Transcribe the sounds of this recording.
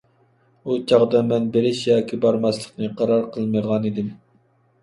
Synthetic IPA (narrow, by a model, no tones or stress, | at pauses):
ut͡ʃʰɑʁd̪ɑmɛnbeɾɪʃjɑːkʲibɑɾmɑslˠəqnɨqʰɑɾɑɾqʰəlˠmɨd̪ʁɑnid̪ɪm